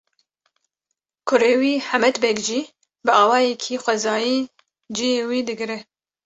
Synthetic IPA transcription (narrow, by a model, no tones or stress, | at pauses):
kʰʊɾeːwiːħamɛt̪bɛkʒiː | bɨɑːwɑːjɛkʰixʷɛzɑːjiː | d͡ʒijeːwiːd̪ɨɡɨɾɛ